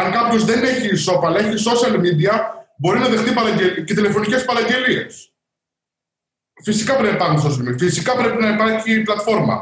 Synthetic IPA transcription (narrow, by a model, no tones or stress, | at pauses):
ɐŋkɐpço̞zðe̞ne̞çiso̞pɐleçiso̞siɐlmid̪iɐbo̞ɾinɐðe̞xt̪ipɐɾɐɲɟe̞lice̞t̪ile̞fo̞nicespɐɾɐɲɟe̞lie̞̰s | fisikɐpɾenɐpipɐxuns̬o̞s̬iɐlmid̪iɐfisikɐpɾe̞pinɐipɐɾçiplɐt̪fo̞ɾmɐ̰